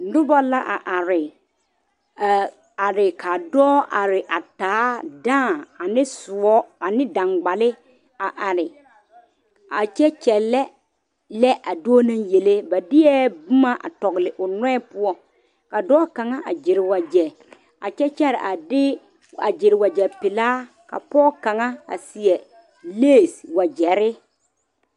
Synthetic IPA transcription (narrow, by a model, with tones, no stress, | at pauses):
nʊ˦ba˦la˦ʔa˨ʔa˨ɾɪ˨ | a˨ɾɪ˨ka˨dɔː˦ʔa˨ɾɪ˨ʔa˨taː˨˦dãː˦˨a˨nɪ˦sʊ˨ɔ˦a˨nɪ˦dã˨ŋɡ͡ba˨lɪ˦ | a˨ʔa˨ɾɪ˨ | a˨t͡ʃɛ˦t͡ʃɛ˨lɛ˦ | lɛ˦ʔa˨doː˦nã˦ŋje˨le˦ba˨dɪ˦ɛ˦bʊ˦ma˦ʔa̰˨tɔ˨ɣɪ˨lɪ˨ʔʊ˨nɛ̃˦ɛ˦pʊ˦ɔ˦ | ka˨dɔː˦ka˨ŋa˦ʔa˨d͡ʒɪ˨ɾɪ˨wa˨d͡ʒɛ˨ | a̰˨t͡ʃɛ˦t͡ʃɛ˦ɾa˨dɪ˦ | a˨d͡ʒɪ˨ɾɪ˨wa˨d͡ʒɛ˨pɪ˨laː˦ | ka̰˨pɔː˦ka˨ŋa˦a̰˨sɪ˨ɛ˨ | leː˦˨swa˨d͡ʒɛ˨ɾɪ˦